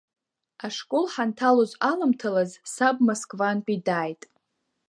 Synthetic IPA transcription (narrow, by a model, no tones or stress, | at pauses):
aʂkʷʼolħantʰalozalamtʰalazsabmoskʼvankʲʷʼidaːjtʼ